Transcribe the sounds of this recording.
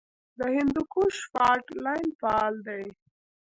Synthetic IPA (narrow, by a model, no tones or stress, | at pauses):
d̪əhɪnd̪ukuʃfɑɾʈlajnfaɑld̪aj